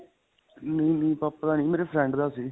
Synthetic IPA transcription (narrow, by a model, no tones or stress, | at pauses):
nẽĩːnĩːpəpːd̪aːnĩːmeːɾeːpʰɾɛ̃ːɳɖd̪aːsiː